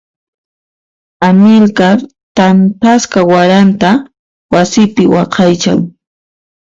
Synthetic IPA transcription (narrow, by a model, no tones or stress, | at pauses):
amɪlka | t̪ampaskawaɾant̪a | wasɪpɪwɑqʰɑjt͡ʃa̰ŋ